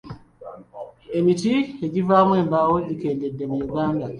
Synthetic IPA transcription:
emitieɟivaːmwe̞ːmbawoɟike̞ːnde̞dːe̞mujuɡaːnda

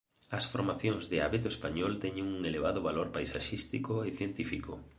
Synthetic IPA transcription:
ɐsfoɾmaθjõŋzðɪa̰βet̪oespaɲɔlt̪ɛɲeŋuŋeleβ̞aðʊβaloɾpajsaʃist̪ikoeθjent̪ifiko

